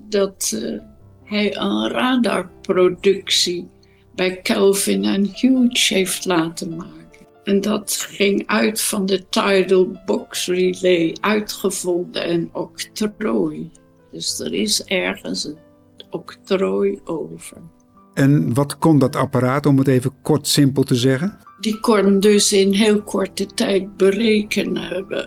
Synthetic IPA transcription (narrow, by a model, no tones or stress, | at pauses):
dɑt | ɦɛjənraːda̰ɹprodɵksi | bɛjkɛlˠvɪnənhut͡ʃejftlaːtəmaːkən | ɛndɑtχɪŋœɥtfɑndətajdəlˠbɔksrilejʔœɥtχəv̥ɔndə̰ɛnɔktoj | d̥ɵsdə̰ɹɪsɛɹχə̰nsən | ɔktrojʔowv̥əɹ | ɛnʋɑtkɔndɑtapaɾaːtɔmətejvəkɔɹtsɪmpəlˠtəzɛχəndikɔndɵsɪnɦɪːlˠkʰɔɹtətɛjt̚bərejkənɦɛbə̰